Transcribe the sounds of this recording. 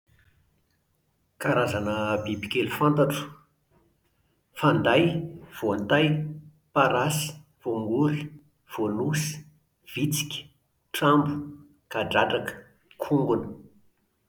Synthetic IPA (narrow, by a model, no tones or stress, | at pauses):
kaɾazanəbibikʲelufant̪aʈ͡ʂu̥ | fand̪ajv̥oant̪aj | paɾasi̥ | v̥oŋɡuɾi | v̥onus | v̥it͡si̥kʲə̥ | ʈ͡ʂambu̥ | kaɖ͡ʐaʈ͡ʂakə̥ | kʰuŋɡunə̥